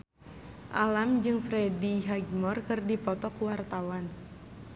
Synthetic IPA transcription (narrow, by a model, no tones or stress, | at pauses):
ʔalamd͡ʒɨŋfɾediɦaɡmɔrkɨrdipɔt̪ɔkuwart̪awan